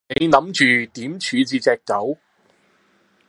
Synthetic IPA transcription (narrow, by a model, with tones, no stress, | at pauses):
ne˨˧jnɐ˨˥mt͡ʃyː˨˧t̪iː˨˥mt͡ʃʰyː˨˧t͡siː˨˧t͡sɛː˨k̚tɐ˨˥w